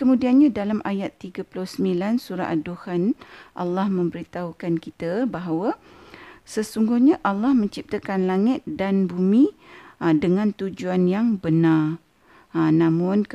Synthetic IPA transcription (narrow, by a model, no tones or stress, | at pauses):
kəmũdianɲãdalamʔajat̪ːiɡaplʊhsəmilansuɾa̰ʔaduhanʔa̰lːahmə̃mbəɾit̪aukankit̪əbaɦawə | səsuŋɡʊhɲaʔalːahmə̃ɲt͡ʃip̚t̪əkanlaŋɪt̪̚danbumĩ | dəŋãnt̪ud͡ʒuanjaŋbənar | nãmʊ̃n